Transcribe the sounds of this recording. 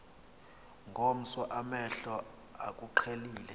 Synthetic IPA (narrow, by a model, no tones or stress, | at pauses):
ŋɡʱom̩sɔʔamɛɬɔ | ak̬ʼuǃʰeliːlɛ